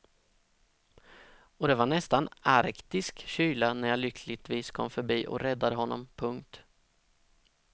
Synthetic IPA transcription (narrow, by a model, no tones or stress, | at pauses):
ɔd̪ɛvaɳɛst̪anaɾkt̪ɪskɕyːlanæɾjaːlʏkʰlɪt̪viːskʰɔmːfœɾbiːʔɔ̰ɾɛd̪ːad̪əɦɔnːɔ̰mpʰɵŋkt̪